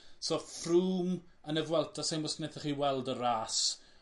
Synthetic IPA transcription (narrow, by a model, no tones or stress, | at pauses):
sofruːm | ənəvwɛlˠtʰasenmɔsneθɛχiːwɛlˠdəɾaːs